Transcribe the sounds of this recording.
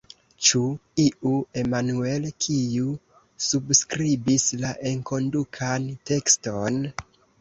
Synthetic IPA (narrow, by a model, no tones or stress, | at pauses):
t͡ʃuiʔue̞manuelkʰiju | subskɾibislaʔeŋko̞ndukʰante̞ksto̞n